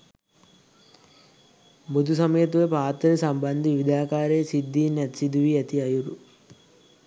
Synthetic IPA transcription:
bud̪ʱusɐməjɐt̪̬uʋepaːt̪ɾɐɾesɐmbɐnd̪iʋiʋid̪aːkaːɾeːsid̪ːiːnɛt̪sid̪uʋiɛt̪iɐjuɾu

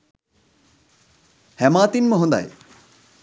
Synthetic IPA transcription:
hɛmaːt̪inmɔɦɔnd̪a̰j

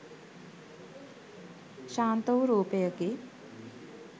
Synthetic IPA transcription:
ʃaːnt̪əwɾuːpejəke

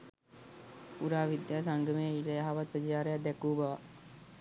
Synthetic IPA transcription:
uɾaːʋid̪jaːs̬aŋɡəmeːilejaɦaʋat̪̚pɾəd͡ʒaːɾejad̪ɛkuːbɐʋa

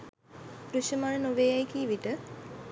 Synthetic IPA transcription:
pɾuɕəmaɳənoʋeajkiːʋiʈə

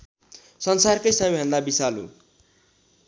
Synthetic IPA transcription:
sʌnsarkʌjsʌbeɦʌ̃nd̪abisalṵ

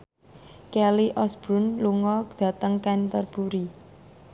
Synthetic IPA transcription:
kɛliʔɔsb̥ɾunluŋɔd̪̥ä̤t̪əŋkant̪ərb̥uɾi

